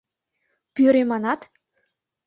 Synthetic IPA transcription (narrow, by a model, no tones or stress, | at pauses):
pyɾemɑnɑt̪